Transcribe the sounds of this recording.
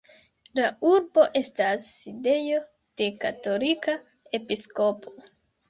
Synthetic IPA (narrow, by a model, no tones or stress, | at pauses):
lauɾbo̞ʔe̞stasːide̞jo̞ | d̥ekato̞lika | e̞pisko̞pʰo̞